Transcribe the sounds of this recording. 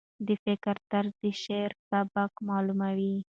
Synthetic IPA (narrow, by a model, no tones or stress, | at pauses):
d̪əfɪkəɾt̪aɾd̪əʃeɾsabakmɑlumawi